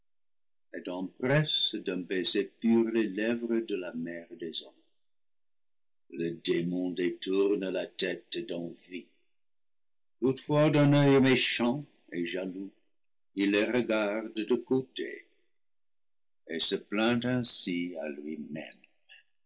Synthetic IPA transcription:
ɛtɑ̃pʁɛsd̪ɛ̃bɛsepyʁlɛlɛvʁəd̪əlamɛʁd̪ɛzɔm | lədemɔ̃d̪etuʁnəlatɛtd̪ɑ̃vi | tutfwad̪ɛ̃nœjmeʃɑ̃ | eʒalu | ilːeʁəɡaʁddəkotḛ | esəplɛ̃tɛ̃sialɥimɛ̰m

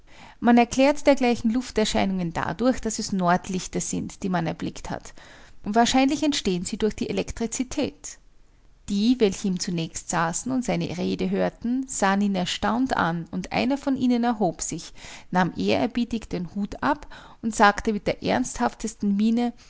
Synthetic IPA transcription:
manɛɐkʰl̥ɛːɐtəd̥eːɐɡlaɪçn̩lʊftɛɐʃaɪnʊŋənda̰dʊɐçd̥asɛsnɔɐtʰlɪçtɐz̥ɪntd̥iːmanɛɐblɪktha̰tʔʊntv̥aːɐʃaɪnlɪçɛntʃteːənz̥iːdʊɐçd̥iːʔelɛktʁ̥it͡sitʰɛ̰ːt | d̥iːvɛlçəiːmt͡sunɛːçstz̥aːsn̩ʊntz̥aɪnə̰ʁeːdəɦøːɐtn̩z̥aːəniːnɛɐʃtaʊnta̰nʊntʔa̰ɪnɐfɔnʔiːnənɛɐɦoːpz̥ɪçnaːmʔeːɐɛɐbiːtɪçd̥enhuːta̰p | ʊntz̥aːktəmɪt̚d̥eːɐʔɛ̰ɐnsthaftʰəstn̩miːnə

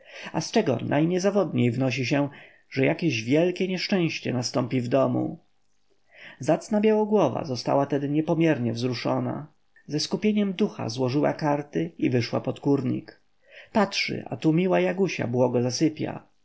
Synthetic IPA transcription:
ast͡ʂɛɡɔ̰nʔajɲɛzavɔd̪ɲejvnɔɕ̬iɕ̬ɛ | ʐɛjakʲeʑvʲjɛlkʲɛɲɛʂt͡ʂɛ̃w̃ɕt͡ɕɛ̰nast̪ɔmpʲivd̪ɔmṵ | zat̪snabʲjawɔɡwɔva̰zɔst̪a̰wat̪ɛd̪ɘɲɛpɔmʲjɛɾɲɛvzɾuʂɔna̰ | zɛskupʲjeɲɛmd̪uxa̰zwɔʐɘwa̰kaɾt̪ɘivɘʂwa̰pɔt̪kuɾɲḭk | patʂɘ̰ʔa̰t̪umʲiwajaɡuɕa̰bwɔɡɔzasɘpʲja̰

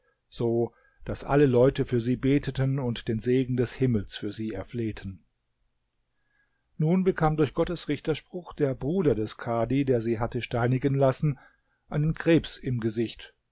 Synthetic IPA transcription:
z̥oː | d̥asʔa̰ləlɔʏtəfyːɐziːbeːtʰətənʊntd̥eːnzeːɡŋ̩dɛshɪml̩sfyːɐziːɛɐfleːtʰən | nuːnbəkʰaːmdʊɐçɡ̥ɔtəsʁɪçtɐʃpʁ̥ʊxd̥eːɐbʁuːdɐdɛskʰaːdideːɐziːɦatəʃtaɪnɪɡənlasn̩ | ʔaɪnənkʁ̥eːpsɪmɡəzɪçt

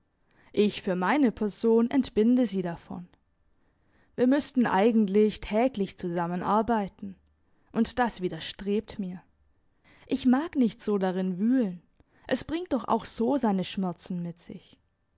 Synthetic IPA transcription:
ʔɪçfyːɐmaɪnəpʰɛɐzoːnʔɛ̰ntb̥ɪndəziːdafɔ̰n | viːɐmʏstn̩ʔa̰ɪɡŋ̩tlɪçtʰɛːklɪçt͡suzamənʔaɐbaɪtn̩ | ʔʊntd̥asv̥iːdɐʃtʁ̥eːp̚tmiːɐ | ʔɪçmaːknɪçtz̥oːdaʁɪnvyːlən | ʔɛsb̥ʁɪŋt̚d̥ɔχʔa̰ʊxz̥oːzaɪnəʃmɛɐt͡sn̩mɪtz̥ɪ̰ç

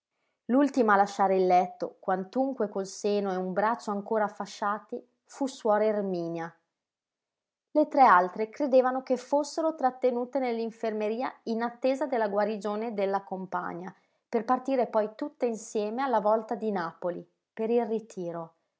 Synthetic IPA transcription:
lult̪imalaʃːaːɾeilːɛt̪ːo̰kwant̪uŋkwekolseːnoeumbɾat͡ʃːoaŋkoːɾaːfːaʃːaːt̪i | fuswɔːɾeirmiːnja | let̪ɾɛalt̪ɾekɾed̪eːvanokefosːeɾot̪ɾat̪ːenuːt̪enelːiɱfermeɾiːainat̪ːeːzad̪elːaɡwaɾid͡ʒoːned̪elːakompa̰ɲːa | perpart̪iːɾepɔjt̪ut̪ːeinsjɛːmealːavɔlt̪ad̪inaːpoli | peɾilrit̪ʰiːɾo

